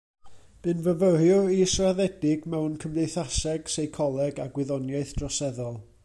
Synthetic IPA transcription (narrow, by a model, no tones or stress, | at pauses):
b̥ɨnvəvəɾjʊisraðɛdɪɡmɛwnkʰəmdejθasɛɡ̥sejkʰɔlˠɛɡaɡwɪðɔnjaɨθd̥rɔsɛðɔlˠ